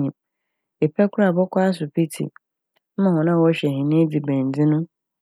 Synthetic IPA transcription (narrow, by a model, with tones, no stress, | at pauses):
ɲĩ˨m | e˨pʰɛ˦kʰʊ˦ɾa˦˨bɔ˦kʰa˦a˦s̬ʊ˨pʰi˦tʰḭ˨ | m̩˦mã˨hɔ̃˨nã˦˨wɔ˦ɕɛ˨ɦĩ˨nĩ˦d͡zi˨bæ̃˨n˨d͡zɪ̃˦nʊ̃˦